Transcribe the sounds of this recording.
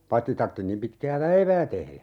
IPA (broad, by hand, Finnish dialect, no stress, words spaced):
pɑĭtːi tɑrtːi nim pitkæː pæiʋæː tehlæ